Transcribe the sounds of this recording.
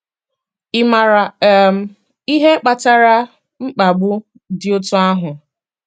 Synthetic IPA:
ɪ˦ma˨ | i˦ɦe˦k͡pa˨ta˦ɾa˦ | ŋ͡m̩˦k͡pa˨ɡ͡bʊ˦ | dɪ˨o˦tʊ˦a˦ɦʊ˨

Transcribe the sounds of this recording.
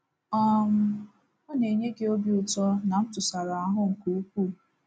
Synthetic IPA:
ɔ˦m̩˦ | ʊ˦ne˨ɲe˦ɡe˦o˦bi˦ʊ˨tɔ˦na˨m̩˦tʊ˨sa˨ɾa˨a˦ɦʊ˦ŋ̩˨ku˨˦k̚ʷuː˦˨

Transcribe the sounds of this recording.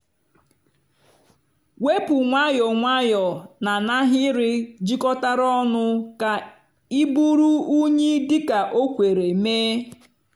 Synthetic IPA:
we˦pu˨ŋʷa˦jɔ˨ŋʷa˦jɔ˨na˨na˦ɦɪ˦ɾɪ˦d͡ʒi˦kɔ˦ta˦ɾɔ˦nʊ˦ka˨ | i˦bu˦ɾu˦u˦ɲe˦dɪ˦ka˨ʔo˦kʷe˨ɾe˨meː˦

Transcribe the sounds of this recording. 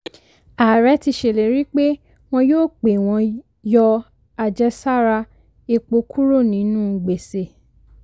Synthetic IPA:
a˨ɾɛ˨˦ti˧ʃe˨le˨ɾi˦k͡pe˦ | w̃ɔ̃˧joː˦˨k͡pe˨w̃ɔ̃˧ | jɔ˧ | a˧d͡ʒɛ˦sa˦ɾa˧ | e˧k͡po˧kʰu˦ɾo˦˨nĩ˨˦nũ˦˨ɡ͡be˨se˨

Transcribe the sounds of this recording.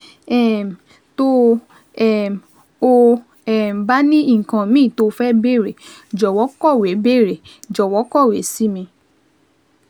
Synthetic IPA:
ɛ˦˨m˨ | to˦ | ɛ˦˨m˨ | o˦ | ɛ˦˨m̩˨ba˦nĩ˦ĩ˦˨kã˧mĩː˦˨to˧fɛ˦be˦˨ɾe˨d͡ʒɔ˨wɔ˨˦kɔ˦˨we˨˦be˦˨ɾe˨d͡ʒɔ˨wɔ˨˦kɔ˦˨we˨˦si˦mĩ˧

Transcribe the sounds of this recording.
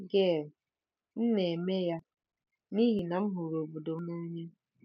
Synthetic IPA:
ɡe˦˨ɾ | n̩˦ne˨me˦ja˦ | ni˦ɦi˨na˨m̩˦ɦʊ˨ɾo˨bu˨do˨˦na˦ɲe˦

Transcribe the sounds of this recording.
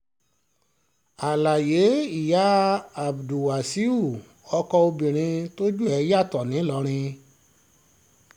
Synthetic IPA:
a˨la˨je˨˦i˦˨ja˨˦a˨bdu˨wa˨si˦u˦˨ | ɔ˧kɔ˧o˧bĩ˨ɾ̃ĩ˧to˦d͡ʒu˦ɛ˧ja˦˨tɔ˨nĩ˨˦lɔ˨˧˦ɾ̃ĩ˧

